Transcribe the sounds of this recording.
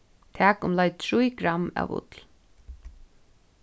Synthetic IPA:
t̪ʰæːkʊmlajt̪̚t̪ʰɹujkɾama̰ʋʊ̰t̪l

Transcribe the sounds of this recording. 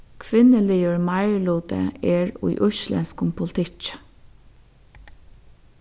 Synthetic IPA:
kʰʋɪnəliːʊɹmɑɪɹluːt̪ə̰ɛːɹṵjʔʊʃlɛ̰nskʊmpʰʊlt̪ʰɪt͡ʃ

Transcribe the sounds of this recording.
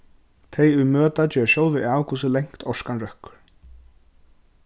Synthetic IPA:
t̪ʰejʏmœːt̪at͡ɕœːɾɕoːwðɪaːwkʰuːsʏlejŋ̥kt̪ʰɔskanrœhkʏɾ̥

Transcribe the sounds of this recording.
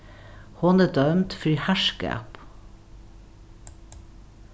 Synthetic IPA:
hɔnæːd̪œmt̪fyhæʃkæ̰ːp

